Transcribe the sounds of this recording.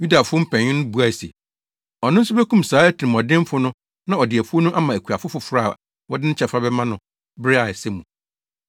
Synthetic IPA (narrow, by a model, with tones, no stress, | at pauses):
ju˦da˨fʊ˦ɔ˦m̩˦pʰɛ̃˨ɲɪ̃˦nʊ̃˦bu˨æ˨sḛ˨ | ɔ˨nʊ̃˦n̩˦su˦bæ˦kũ˦msaː˨˦æ˦tʰi˨ɪ̃˨m˨ɔ˨dɪ̃˦m˦fʊ˦nʊ̃˦ | nã˦ɔ˨dɪ˨æ˨fʊ˦o˦nũ˦ʔa˦mã˨æ˨kʰu˨a˨fʊ˦fʊ˨fɾa˦˨ | wɔ˦dɪ̃˦n̩ɪ˦t͡ɕʰɛ˨fɾa˦bɛ˦mã˦nʊ̃˨ | bɪ˦ɾɪ˦a˨ɛ˨sɛ˦mũ˨